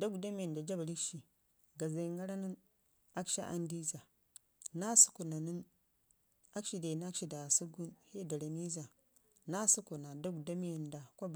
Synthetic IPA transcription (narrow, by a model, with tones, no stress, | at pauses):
da˦ɡda˦mi˦je˨nda˨d͡ʒa˦ba˨ɾi˦kʃi˨ | ɡa˨za˨ŋɡa˦ɾa˦ni˦n | a˦kʃa̰˦ʔa̰˦ndi˦za˨ | na˦su̥˦ku˨na˨ni˦n | a˦kʃi˨de˨na˦kʃi˨da˨su˦ɡu˦nhe˦˨da˨ɾa˨ni˦za˨ | na˦su˦ku˨na˨da˦ɡda˦mi˦je˨nda˨kʷo˦b